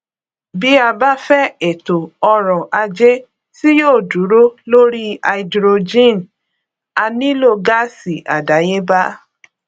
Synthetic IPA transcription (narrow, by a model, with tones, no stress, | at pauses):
bi˨˦a˧ba˦fɛ˦e˨to˨ɔ˧ɾɔ̃˨ʔa˧d͡ʒe˦ | si˦joː˦˨du˨˦ɾo˦lo˦ɾi˦a˧i˧dɾo˧d͡ʒĩ˦˨n˨ | a˧nĩ˦lo˦˨ɡa˦si˨ʔa̰˨da˨˦je˦ba˦